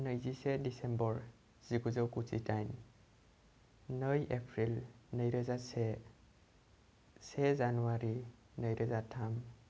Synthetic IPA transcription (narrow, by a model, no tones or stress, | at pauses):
nəjzisɛdisembɔɹ | z̥iɡuzɔwkusḭtajn | nəjepʰɹilnəjɾɯzasɛ | sezanuwaɾi | nəjɾəzatʰam